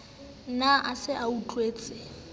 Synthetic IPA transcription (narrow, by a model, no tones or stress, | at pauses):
naʔasɪʔaut͡ɬʼweːt͡sʼɪ